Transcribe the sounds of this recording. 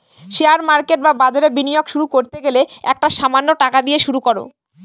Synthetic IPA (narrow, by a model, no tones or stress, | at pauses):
ʃeaɾmaɾkeʈ̚babad͡ʑaɾebinijokʃuɾukoɾt̪eɡeleɛk̚ʈaʃamanːoʈakad̪ieʃuɾukoɾo̰